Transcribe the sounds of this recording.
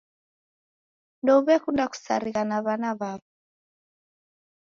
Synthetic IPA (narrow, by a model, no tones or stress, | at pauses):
ndɔuβɛkundaku̥sa̰ɾiɣanaβanaβaβɔ